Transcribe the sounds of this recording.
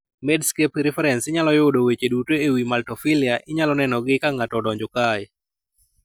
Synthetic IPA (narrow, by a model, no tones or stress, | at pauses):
mɛdskepɾɛfɛɾɛnsɪɲalɔjʊdowet͡ʃedutoewimaltɔfiliaʔɪɲalɔnɛnɔɡɪkaŋatɔdɔɲd͡ʒɔkaj